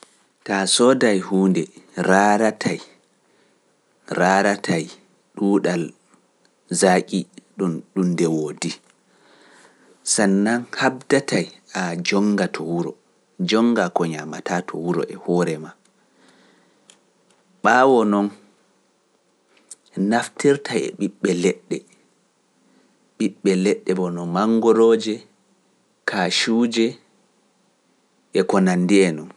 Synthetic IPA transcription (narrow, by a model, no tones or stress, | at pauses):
tasɔdajhuːndɛɾaːɾatʰaj | ɾaːɾatʰaj | ɗuːɗal | zakʼiɗuɗundɛwoːdi | sanːanhab̚datajad͡ʒɔŋɡatʰɔwuɾɔ̰ | d͡ʒɔŋɡakɔɲamatatʰɔ̰wuɾɔ̰ʔɛhɔɾɛma | ɓaːwɔnɔn | naftʰiɾtʰajɛ̰ɓiɓːɛlɛɗːɛ | ɓiɓːɛlɛɗːɛbɔnɔmaŋɡɔɾoːd͡ʒɛ | kʰaʃuːd͡ʒɛ | ʔɛkɔnanːdiɛnɔn